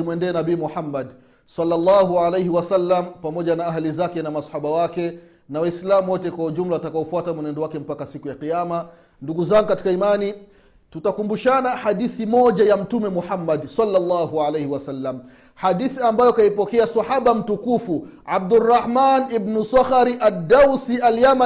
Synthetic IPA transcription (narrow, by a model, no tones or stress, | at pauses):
imwɛndɛːnabiimuħamːad | salːalːaɦualejhiwasalːampamɔʄanaaɦalizakɛnamasḁħaɓawakɛ | nawaislamwɔtɛkwahuʄum̩lawatakaɔfuatamwɛnɛndɔwakɛm̩pakasikujaqijama | nduɡuzaŋɡukati̥kaimani | tutakumbuʃanahaɗiθimɔʄajam̩tumɛmuħamːadsalːalːaɦualejhiwasalːam | haɗiθiambajɔkaipɔkɛasaħaɓam̩tukufu | ʕab̚durːɑħmanibnusaxaɾiʔadːausialjama